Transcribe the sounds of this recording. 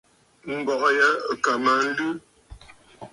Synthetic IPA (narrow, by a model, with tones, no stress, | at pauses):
m̩˦bɔ˨kjə˦˨ka˨ma˨n̩˦lʉ˦